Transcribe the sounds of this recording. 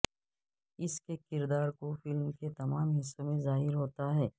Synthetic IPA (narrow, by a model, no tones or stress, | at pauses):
ɪskekɪɾd̪aːɾkofɪlmket̪ɐmaːmɦɪsːomẽzaːɦɪɾɦoːt̪aɦɛː